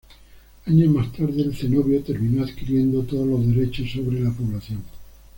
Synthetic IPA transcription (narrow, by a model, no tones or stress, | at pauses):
aɲozmast̪aɾðeːlθe̞no̞βjo̞t̪e̞ɾmĩnoaðkiɾje̞nd̪o̞t̪oðolo̞zðe̞ɾe̞t͡ʃo̞sːo̞βɾe̞lapo̞βlaθjo̞ŋ